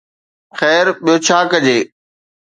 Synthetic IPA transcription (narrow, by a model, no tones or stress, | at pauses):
xɛːɾɓijot͡ɕʰaːkɐd͡ʑeː